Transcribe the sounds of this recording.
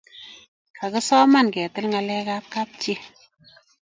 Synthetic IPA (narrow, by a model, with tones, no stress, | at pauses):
ka˨kɨ˦sɔ˦ma˦˨nkɛ˨tɨ˦lŋa˧lɛ˦ka˦p̚ka˦p̚t͡ʃi˦